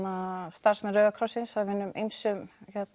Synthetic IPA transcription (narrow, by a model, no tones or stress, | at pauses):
ast̪ar̥smɛɾœːðakʰɾɔsːɪnsfavɪnːʏmejmsʏmçɛt̪